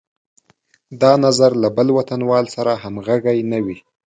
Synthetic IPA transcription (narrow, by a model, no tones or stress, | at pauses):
d̪ɑnazaɾlabəlwat̪anwɑlsaɾaɦamɣaɡajnawi